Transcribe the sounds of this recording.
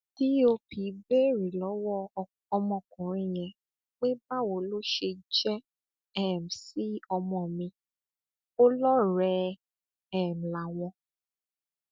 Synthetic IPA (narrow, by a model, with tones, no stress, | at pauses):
ti˦o˧pi˨˦be˦˨ɾi˨lɔ˨˦wɔ˦˧ | ɔ˧mɔ̃˧˨kũ˨ɾ̃ĩ˦˨j̃ɛ̃˧ | k͡pe˦ba˦wo˨˦lo˦ʃe˧d͡ʒɛ˦ | ɛ˦˨m̩˨si˦ɔ˧mɔ̃˨mĩ˧ | o˦lɔ˦ɾɛ˧ | ɛ˦˨m̩˨la˨w̃ɔ̃˧